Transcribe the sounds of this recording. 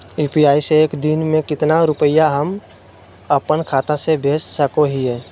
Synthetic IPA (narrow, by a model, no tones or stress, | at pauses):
iːpiaːiseːkd̪inmẽkɪt̪naɾʊpəjaɦəm | əpənkʰaːt̪ãsebʱeːt͡ʃsəkoɦiɦɛː